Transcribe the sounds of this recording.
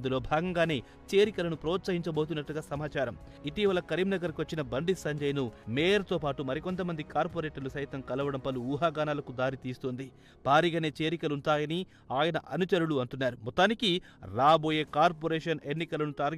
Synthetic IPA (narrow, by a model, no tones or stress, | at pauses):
nd̪ulo̞ːbʱaːɡɐŋɡaːne̞ː | t͡ʃe̞ːɾikɐlɐnupɾoːt̪sɐɦiɲt͡ʃɐbo̞ːt̪̬unːɐʈːuɡaːsɐmaːt͡ʃaːɾɐmit̪iːʋɐlɐkɐɾimnɐɡɐɾkiʋɐt͡ʃːinɐbɐɳɖisɐɲd͡ʒɐjnumeːjɐɾt̪o̞ːpaːʈumɐɾiko̞nt̪ɐmɐnd̪ikaːɾpoːɾeːʈɐɾlusɐjit̪ɐmkɐlɐʋɐɽɐmpɐluuːɦaːɡaːnaːlɐkud̪aːɾit̪iːst̪oːnd̪i | b̥ʱaːɾiɡaːne̞ːt͡ʃe̞ːɾikɐluɳʈaːjɐni | aːjɐnɐʔɐnut͡ʃɐɾuɽuɐɳʈunːaːɾumɔt̪ːaːniki | ɾaːbo̞ːje̞ːkaːɾpoːɾeːʂɐnenːikɐlɐnuʈaːɾ